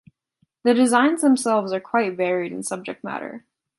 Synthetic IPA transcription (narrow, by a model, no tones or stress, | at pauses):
ðɨdɨzãɪ̃nzðə̃m̩sɛlˠvzə˞kʰw̥aɪt̚vɛɹiɾɨ̰̃nsʌb̚d͡ʒɨk̚t̚mæ̰ɾə̰˞